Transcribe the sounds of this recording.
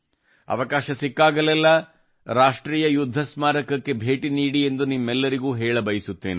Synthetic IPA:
ɐ̰ʋɐkaːʃɐsikːaːɡɐlɛlːɐ | ɾaːʂʈɾiːjɐjud̪ʱːɐsmaːɾɐkɐkːe̞bʱe̞ːʈiniːɽie̞nd̪unimːɛlːɐɾiɡuːɦɛːɭɐbɐjisut̪ːe̞ːne

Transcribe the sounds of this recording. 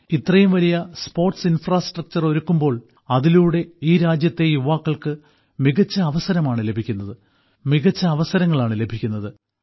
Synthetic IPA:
it̪rɐjumʋɐlijɐspo̞ːrʈsinfraːsʈrɐk̚t͡ɕɐro̞ɾukːumbo̞ːɭ | ɐðiluːɽe̞iːɾaːd͡ʑjɐt̪ːe̞juʋaːkːɐɭkɨ | miɣɐt͡ɕːɐːʋɐsɐɾɐmaːɳɨle̞bʱikʲːunːɐðɨ | miɣɐt͡ɕːɐːʋɐsɐɾɐŋːɐɭaːɳɨle̞bʱikʲːunːɐðɨ

